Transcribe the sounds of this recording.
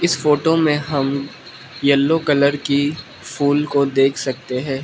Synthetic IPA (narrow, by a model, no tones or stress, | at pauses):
ɪsfoːʈomẽɦɐm | jɐlːokɐləɾki | fuːlkod̪eːkʰsɐk̚t̪eɦɛ̃ː